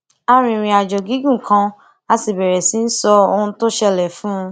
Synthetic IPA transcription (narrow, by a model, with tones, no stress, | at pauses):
a˦ɾ̃ĩ˧ɾ̃ĩ˧a˨d͡ʒɔ˨ɡi˨˦ɡũ˦˨kʰã˧˦ | a˧si˨bɛ˨ɾɛ˨si˨˦n̩˦sɔ˧o˧hũ˧to˦ʃɛ˧lɛ˨fũ˦˧